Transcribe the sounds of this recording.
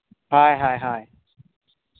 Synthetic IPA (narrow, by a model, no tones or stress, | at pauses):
hajɦaːjɦaj